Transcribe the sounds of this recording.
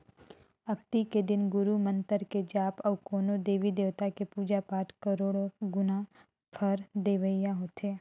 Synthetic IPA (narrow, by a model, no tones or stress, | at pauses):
əkt̪iked̪ɪnɡʊɾumə̃nt̪əɾked͡ʒaːpɔʋkoːnod̪eːʋid̪eːʋt̪akepuːd͡ʒapaːʈkəɾoːɽoɡʊna | pʰəɾd̪eːʋəijãɦoːt̪eː